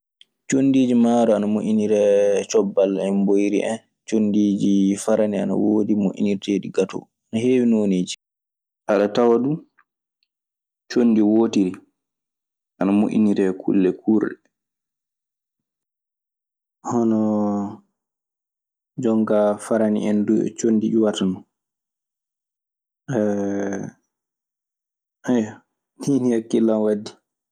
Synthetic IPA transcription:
t͡ʃonːdiːd͡ʒimaːɾɔanamoʔʲiniɾɛt͡ʃɔbːalɛnbojɾḭʔɛ̰n | t͡ʃonːdiːd͡ʒifaɾania̰na̰woːdimoʔʲḭniɾteːɗiɡatɔ̰ | anaheːwinoneːd͡ʒi̥ | ʔaɗatawadu | t͡ʃonːdiwoːtiɾi | ʔanamo̰ʔḭniɾɛkʰṵlːɛkuːɾɗɛ | hɔnɔ | d͡ʒɔŋɡafaɾanḭɛnduɛ̰t͡ʃonːdiɗiwatanɔ | ɛ | ʔajɔ | ninihakːilːanwadːi̥

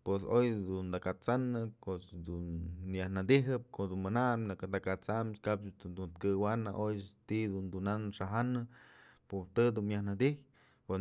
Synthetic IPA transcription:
pwesojd̪und̪akat͡sanɨkot͡ʃd̪unjahnad̪iɦɨp̚kod̪unmɨnamlakd̪akat͡samt͡ʃkap̪d̪unt̪kɨwanaʔojt̪iʔd̪und̪unanʂaɦanɨput̪ɨd̪unjahnad̪ih | pe

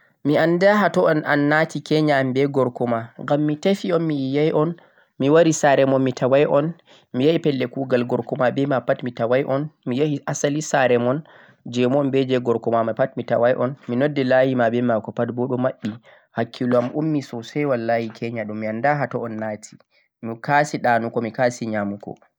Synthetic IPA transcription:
miandaɦatɔɔnʔa̰nːatikɛɲaːmbɛɡɔɾkɔmaŋɡamːitafiɔnmijajʔɔn | miwaɾisaɾɛmɔnmitʰawajʔɔn | mijaipɛlːɛkuɡalɡɔɾkɔmabɛmapatmitawajʔɔnmijahiʔasalisaɾɛmɔn | d͡ʒɛmɔɔmbɛd͡ʒɛɡɔɾkɔmamapatmita̰wajʔɔnminɔdːɛlajimabɛmakɔpatbɔɗɔmaɓːi | hakʰːilɔamʔumːisɔsɛjwalːajikʰɛɲaɗumːiandaɦatɔɔnːaːtʰi̥ | mikasiɗanukɔmikasiɲamukɔ̰

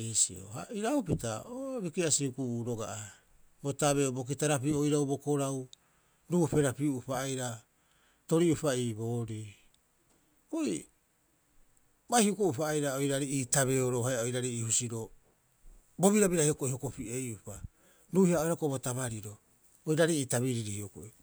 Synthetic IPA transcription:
isḭo̰ha̰iɾawpitaobikiasiukuuːɾo̞ɡa̰ʔa | botaβeobo̞k̬itaɾapiojɾawbo̞ko̞ɾaw | ɾuːpe̞ɾapiuupaːjɾa | to̞ɾiupaiːbo̞ːɾi | koi | bajhiukuʔupaːjɾaojɾaɾiiːtaβeoɾoɦajaojɾaɾiiːhusiɾo̞ | bo̞βiɾabiɾahiokoʔiho̞kopiʔejʔupa | ɾuːhiaojɾakobotaβaɾiɾo | ojɾaɾiiːtaβiɾiɾihioko̰ʔi

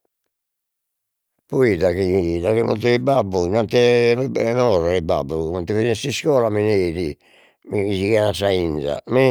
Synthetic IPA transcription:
pɔiðaɣid̪akimɔ̰t̪uibabːunant̪ɛlɛnɔɾaiba̰bːumant̪ɛfinɛsiskɔːlamineːði | miisikɛnasainza̰mi

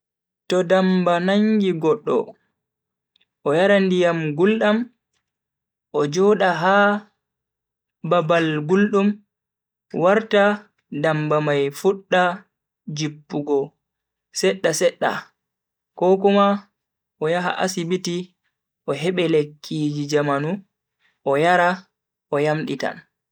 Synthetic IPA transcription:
tɔdambanaŋɡiɡɔɗːɔ̰ | ʔɔjaɾandijamɡulɗam | ʔɔd͡ʒɔɗaɦa | babalɡulɗum | waɾta | dambamajfuɗːa | d͡ʒipːuɡɔ | sɛɗːasɛɗːa̰ | kɔkuma | ʔɔjaɦa̰ʔasibiti | ʔɔɦɛɓɛlekʰːiːd͡ʒid͡ʒamanu | ʔɔjaɾa | ɔjamɗita̰n

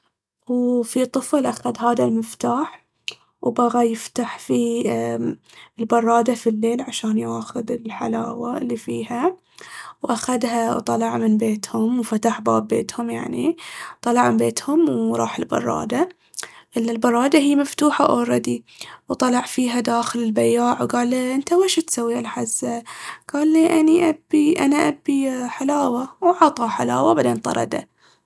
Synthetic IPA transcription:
wfit̪ˤːɨflʔaxaðɦaːðalmɪft̪aːħ | wbaɣajɪft̪aħfi | ɪlbɑrˤːɑːd̪afilːeːlʕaʃaːnjaːxʊðɪlħa̰laːwalːifiːha | wʔaxaðhawt̪ˤɑlɑʕmɪnbeːt̪hʊmwfat̪aħbaːbːḛːt̪hʊmjaʕnit̪ˤɑlɑʕmɪnbeːt̪hʊmwɾˤɑːħɪlbɑ̰rˤːɑ̰ːd̪a | ʔɪlːalbɑrˤːɑːd̪aɦijːmaft̪uːħaʔa̰wɾˤɑd̪iwt̪ˤɑlɑʕfiːɦad̪aːxɪlɪlbajaːʕwɡaːlʔɪnt̪aweːʃat̪sawːialħazːaɡ̥aːlːiːʔaniʔabːiʔa̰naʔabːiħalaːwawʕɑt̪ˤɑħalaːwabaʕd̪eːnt̪ˤɑ̰ɾˤɑ̰d̪a̰

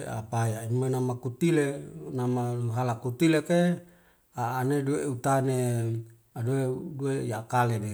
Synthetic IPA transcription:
a̰pajaimanamakut̪ilenamauɦalakut̪ileke | aːnedueut̪ane | adueduejakalede

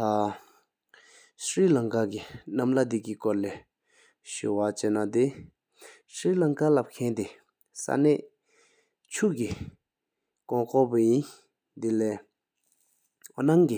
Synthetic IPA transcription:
a | sɹiːlaŋkakinamlad̪ikikɔɹlɛː | ɕṵwat͡ɕeːnad̪e | sɹiːlaŋkalap̚kʰɛnt̪e | sa̰nɛːʔ | t͡ɕʰuʔki | kɔŋkʰɔpajin | d̪ilɛː | onaŋki

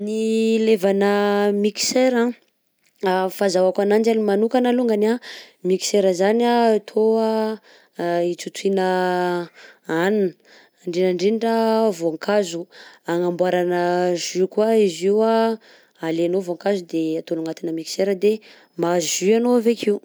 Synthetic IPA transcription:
nilevanəmiki̥seɾã | afazawakanand͡ʒanimanukanaluŋɡanamiki̥seɾəzaniat̪ʰoa | it͡sut̪winə | aninə | ɳɖ͡ʐenaɳɖ͡ʐiɖ͡ʐavoaŋkʰazuaŋambwaɾanəʒykwaiziwa | alenovoaŋkazud̪eat̪onuŋat̪inəmiki̥seɾəd̪e | mazʒyanoavekiu

